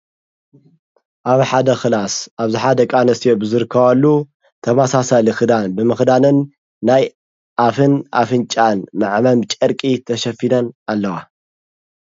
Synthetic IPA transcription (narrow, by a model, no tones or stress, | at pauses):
ʔaβħad̪ɐxɨlasʔaβziħad̪ɐkʼanɐst̪ijobɨzɨɾɨkʰːɐβalːu | t̪ʰɐmasasalixɨd̪anbɨmɨxd̪anɨnː | aj | ʔafɨnʔa̰fɨnt͡ʃʼanmɨʕmɐmt͡ʃʼɐɾkʼit̪ʰɐʃɐfilɐnalːɐwa